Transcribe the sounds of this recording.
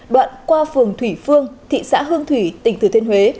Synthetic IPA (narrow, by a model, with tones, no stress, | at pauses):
ɗwa̰ː˧˨nkwaː˧fɨ˨˩əŋt̪ʰwi˧˩fɨ˧əŋt̪ʰḭ˧˨sa̰ː˧˥ɦɨ˧əŋt̪ʰwi˧˩t̪ï˧˩ŋ̟t̪ɨ˨˧˩t̪ʰe˧nɦwe˨˦